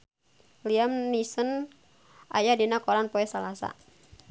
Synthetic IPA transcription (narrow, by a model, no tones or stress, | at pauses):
liamnisən | a̰jadinakɔɾanpɔɛsalasa̰